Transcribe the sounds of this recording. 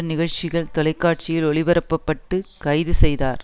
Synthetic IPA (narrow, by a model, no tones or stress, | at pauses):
nɪɣɐɻt͡ʃɪɣɐɭt̪ɔlɐɪkːaːʈ̚t͡ʃɪjɪlɔɭɪʋɐɾɐpːɐpːɐʈːɯkɐɪðɯsɛjðaːɾ